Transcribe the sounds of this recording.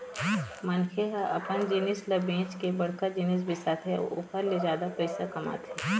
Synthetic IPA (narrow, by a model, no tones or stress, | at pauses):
mɐnkʰeaʔɐ̰pʰənd͡ʒɪnɪslɐbẽːt͡ʃkebɐɽkad͡ʒɪnɪs̬bʱɪsat̪ʰḛʊ̰pʰəɾled͡ʒjaːd̪apɛɪsakɐma̰ːt̪ʰeː